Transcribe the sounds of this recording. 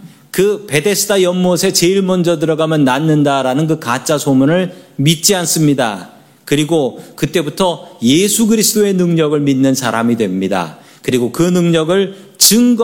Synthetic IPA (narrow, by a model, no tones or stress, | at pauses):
kɯpe̞de̞sʰɯ̥tʰajʌmːosʰe̞t͡ɕe̞iɭmʌnd͡ʑʌd̬ɯɾʌɡamjʌnːanːɯndaɾanɯnkɯkat͡ɕ͈asʰomunɯɭmit̚t͡ɕ͈ians͈ɯmɲida̰ | kɯɾiɡokɯt͈e̞butʰʌjesʰuɡɯɾisʰɯd͈oe̞nɯŋɲʌɡɯɭminːɯnsʰaɾamidwe̞mɲida̰ | kɯɾiɡokɯnɯŋɲʌɡɯɭt͡ɕɯŋɡ